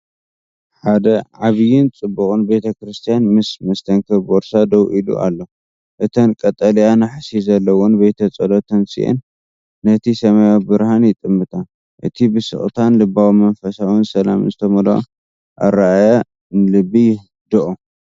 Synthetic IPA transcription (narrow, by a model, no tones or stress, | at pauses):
ħad̪ɐʕaβɨjɪnt͡sʼɨbːukʼɨnbe̞t̪ʰɐkɾɨst̪ʰijanmɨsmɐst̪ʰɐŋkʰɐboɾsad̪ɐwʔilṵʔa̰lːo | ʔɨt̪ʰɐnkʼɐt̪ʼːɐlijanaħsizɐlːɐwonbet̪ʰɐt͡sʼɐlot̪ʰɐnsḭʔɛ̰nː | ɐt̪ʰisɐmajawibɨɾhanjɪt̪ʼɨmːɨt̪ʼʰa | ʔɨ̰t̪ʰibɨsɨ̰χʼt̪ʰanlɨbawimɐnfɐsawɨnsɐlamɨnzɨt̪ʰɐmɐloʔ | ʔa̰ɾaajɐ | nɨlɨbːijɪ | d̪ɨʔo